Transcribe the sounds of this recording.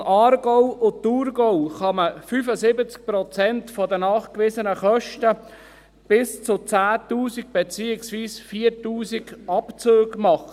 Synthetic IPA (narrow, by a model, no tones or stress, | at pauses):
ɑːrɡɔʊʊturɡɔʊχɑməfyfəzɪbət͡sk̚prɔt͡sɛntfɔdənɑːχkʋɪzənəχœʃtə | b̥ɪst͡sʊt͡sæːtuːsiɡ̚b̥et͡siːɪksviːsfiːəɾtuːsiɡɑpt͡søːɡmɑχə